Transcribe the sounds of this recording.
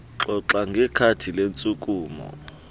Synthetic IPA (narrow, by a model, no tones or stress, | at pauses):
ǁɔǁaŋɡʱɛkʰatʰilent͡sʼuk̬ʼuːmɔ̰